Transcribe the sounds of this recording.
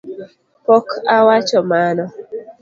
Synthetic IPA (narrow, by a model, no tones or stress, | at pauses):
pɔkʰawat͡ʃɔmanɔ